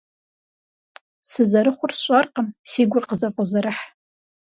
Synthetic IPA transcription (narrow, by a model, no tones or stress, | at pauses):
sɨzɐɾɨχʷʊrsɕʷʼarqʼəmsiːɡʷʊrqʼəzɐpʼozaɾɨħ